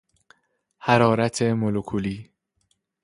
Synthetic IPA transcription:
hæɾɒːɾæt̪ʰe̞molokʰuliː

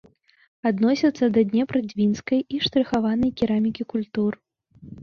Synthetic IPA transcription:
ad̪nɔsʲɐt̪sːɐd̪ɐd̪ʲnʲɛpɾɐd͡zʲvʲinskɐjiʂt̪ɾɨxavanɐjkʲiɾamʲikʲikulʲt̪ur

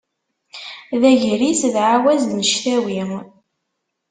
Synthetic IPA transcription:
ðæʝɾisðʕawæznəʃθæwim

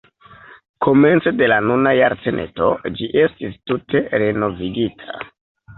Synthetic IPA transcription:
kʰo̞me̞nt͡sede̞lanunajaɾt͡se̞nʔe̞̰to̞̰d͡ʒiʔe̞stistutʰe̞ɾeno̞viɡitʰḁ

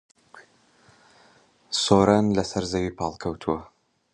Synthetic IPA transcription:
soːɾanlɐsɐɾzɐwiːpʰɑːlˠkʰɐwt̪ʰuwɐ

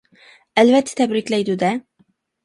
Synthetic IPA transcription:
ælvɛt̪ʰːɛ̥t̪ʰɛbɾɪkʲlæjd̪ud̪ɛ

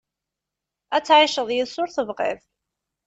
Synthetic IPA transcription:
æt͡sːʕiʃəðˤjiðsʊɾθəvʁɪ̰ðˤ

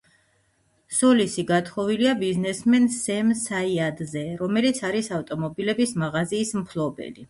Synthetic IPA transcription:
sɔlisiɡat̪χɔviliabiznɛsmɛnsɛmsaiad̪zɛɾɔmɛlit̪sʰaɾisaft̪ʼɔmɔbilɛbismaʁaziːsmpʰlˠɔbɛ̰li

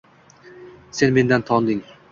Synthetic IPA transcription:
senmend̪ænt̪ʰɒnd̪ɪŋ

